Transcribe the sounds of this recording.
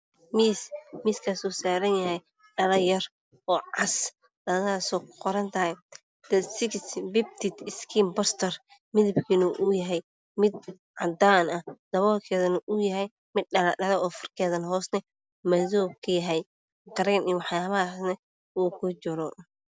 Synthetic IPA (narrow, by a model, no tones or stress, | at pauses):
miːsmiːskʰasuːsaːɾɐnjɐɦɛj | ɖɐlɐjɐr | ɔːʕɑs | ɖɐðaːsɔːqɔɾɐnt̪ʰɐɦɛj | d̪̥ɐsɪksbɪb̚t̪ʰɪt̪ɪskʰiːmbɐst̪ʰɐr | mɪðɐbkʰiːnʊʔʊjɐɦɛj | mɪd̪̚ | ʕɑd̪aːnɐd̪̥ɐβɔːlkʰɛːðɐnʊʔʊjɐɦɛj | mɪd̪̚ɐlɐɖɐlɛɔːfɐrkʰɛːðɐnɦɔːsnɐ | mɐðɔːkʰɐjɐɦɛj | qɐɾɛniwɑħjaːβɐɦasnɐ | uːkʰʊt͡ʃɪɾɔ